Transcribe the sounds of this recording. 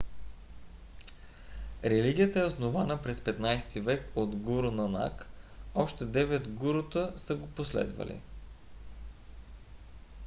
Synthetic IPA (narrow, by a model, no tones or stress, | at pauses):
ɾɛliɡ̟ʲijət̪əɛosnovanəpɾɛspɛt̪najst̪ivɛkod̪ɡuɾʊnɐna̰kɔʃt̪ɛd̪ɛvɛd̪ɡuɾʊt̪əsəɡoposlɛ̰d̪və̰lḭ